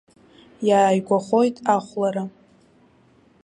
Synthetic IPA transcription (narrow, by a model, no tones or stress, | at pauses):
jaːjɡʷaχo̞jtʼaχʷlaɾa